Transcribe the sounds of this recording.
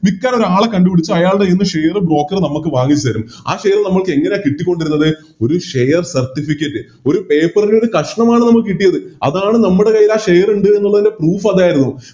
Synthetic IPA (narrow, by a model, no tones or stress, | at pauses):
ʋikʲːaːno̞ɾuaːɭɐkɐɳɖupiɽit͡ɕːuɐjaːɭɽeinːɨʂejɐrɨbro̞ːkːɐrnɐmuk̬ːɨʋaːŋit͡ɕːuɐɾuma̰ːʂejɐrnɐmːɐɭkɨe̞ŋːɐnejkiʈːikʲːo̞ɳɖiɾunːɐðɨ | o̞ɾuʂejɐrsɐrtːifikʲːɐtːɨ | o̞ɾupe̞ːpːɐrindeo̞ɾukɐʂɐɳɐmaːɳɨnɐmːukːɨkiʈːijɐðɨɐ̰ðaːɳɨnɐmːuɽe̞kɐjːilaːʂejɐruɳɖɨe̞nːuɭːɐðinde̞pruːfɐðaːjiɾunːu